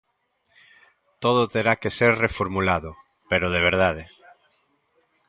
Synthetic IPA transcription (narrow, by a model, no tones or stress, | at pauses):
t̪oð̞ot̪eɾakeseɾrefoɾmulaðʊ | peɾoð̞eβ̞eɾð̞aðe